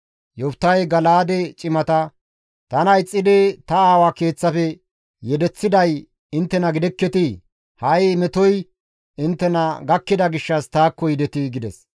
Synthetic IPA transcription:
jɔpt̪ːɐjɡɐlaːd̪ɛt͡ʃʼɪmɐt̪ɐ | t̪ɐnɐjt͡sʼːɪd̪ɛt̪ɐaːwake̞ːt͡sːɐfɛ | jɛd̪ɛt͡sːɪd̪ɐj | ɪnt̪ːɛnɐɡɪd̪ɛkːɛt̪ɪ | hɐjmɛt̪ɔj | ɪnt̪ːɛnɐɡɐkːɪd̪ɐɡɪʃːɐst̪aːkːɔjd̪ɛt̪ɪɡɪd̪ɛs

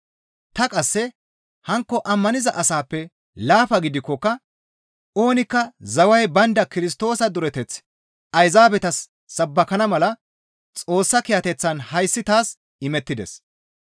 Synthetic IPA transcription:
t̪ɐkʼɐsːɛ | hɐŋkːɔʔɐmːɐnɪzɐʔɐsaːpːɛ | laːfɐɡɪd̪ɪkːɔkːɐ | o̞ːnɪkːɐzɐwɐjbɐnd̪ɐkɪɾɪst̪o̞ːsɐd̪ʊɾɛt̪ɛt͡s | ɐjzaːbɛt̪ɐsː | ɐbːɐkɐnɐmɐlɐ | t͡sʼo̞ːsːɐkɪjɐt̪ɛt͡sːɐnhɐjsːɪt̪aːs | ɪmɛt̪ːɪd̪ɛ̰s

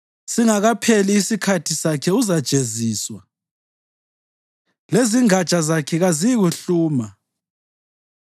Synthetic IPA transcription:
siŋaɣapʰeliːsikʰatʰisakʰɛuzad̥ʒ̥ʱeziːswa | leziŋḁt͡ʃʼazakʰɛɣaziɣuɬuːma

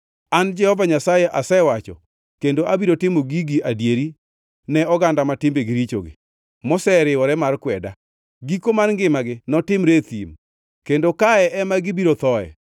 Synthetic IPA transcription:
and͡ʒɛhɔvaɲasajɛʔasɛwat͡ʃɔ̰ | kendoʔabiɾotɪmoɡiɡiadjeɾi | nɛɔɡandamatɪmbeɡiɾit͡ʃo̰ɡɪ̰ | mosɛɾɪwɔɾɛmarkwɛda̰ | ɡikomarŋɡɪmaɡɪnɔtɪmɾet̪ḭm | kendokaɛʔɛmaɡibiɾot̪ɔɛ̰

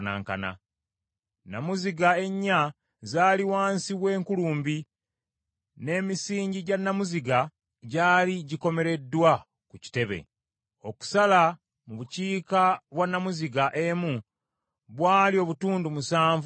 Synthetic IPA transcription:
na̰ːŋka̰na̰ | namuziɡae̞ɲːa | zaːliwaːnsiβwe̞ːŋkuluːmbi | ne̞ːmisiːɲɟiɟanːamuziɡa | ɟaːliɟiko̞me̞ɾe̞dːwa | kuci̥te̞βe̞̰ | o̞ku̥sala | muβuciːkaβwanːamuziɡaʔemu | βwaːlio̞βutuːndumusaːɱv

